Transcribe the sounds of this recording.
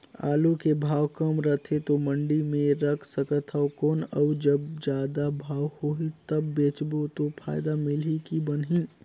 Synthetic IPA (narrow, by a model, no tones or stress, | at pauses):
a̰ːlukebʱaːwkəmɾət̪ʰet̪omə̃ɳɖimẽɾəkʰsəkət̪ʰəʊkɔːnəʊd͡ʒəbd͡ʒaːd̪abʱaːwhoit̪əbːeːt͡ʃbot̪opʰaːɪd̪amɪlɦikibənɦĩ